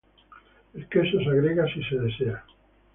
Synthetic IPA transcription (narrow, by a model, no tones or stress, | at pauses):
elkesosaɣɾeɣasiseðesea